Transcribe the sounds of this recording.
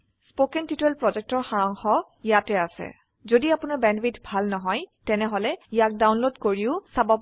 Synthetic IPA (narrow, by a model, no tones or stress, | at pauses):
spokɛntitɛlpɹɔzɛk̚tɔɹxaɹɔŋxɔ | ijatɛasɛ̰ | zodiapʊnaɹbɛnbitbʱalnɔɦɔjtɛnɛɦɔlɛijak̚dawnlodkoɹiʊsabab